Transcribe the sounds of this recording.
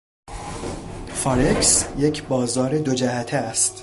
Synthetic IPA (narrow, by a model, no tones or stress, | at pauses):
fɒɾeksje̞cʰbɒːzɒːɾed̪o̞d͡ʒæɦæt̪ʰeæst̪